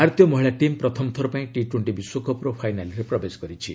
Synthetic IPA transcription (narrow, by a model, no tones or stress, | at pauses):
aɾt̪jɔmɔɦiɭaʈimpɾɔt̪ʰɔmt̪ʰɔɾɔpaĩʈiʈweɳʈibiswokʰɔpɾopʰajnalɾepɾɔbeskɔɾit͡ʃʰi